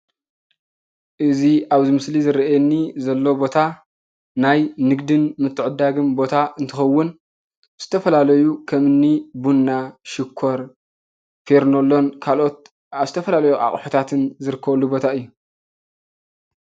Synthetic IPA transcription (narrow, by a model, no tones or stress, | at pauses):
ʔɨziaβzɨmɨslizɨɾɐʔɛnːizɐlːo̞bo̞t̪ʰa | najnɨɡd̪ɨnmɨt̪ʰːɨʕɨd̪ːaɡɨmbo̞t̪ʰaʔɨnt̪ʰɨxɐwːʊn | z̥ɨt̪ʰɐfɐlalɐjukʰɐmɨnːibunːaʃɪkʰːo̞ɾ | feɾnolːo̞nkʰalʔo̞t̪̚ | zɨt̪ʰɐfɐlalɐjuʔa̰χʼħut̪ʰat̪ʰɨnzɨɾɨkʰːɐβlːubo̞t̪ʰaɨjːu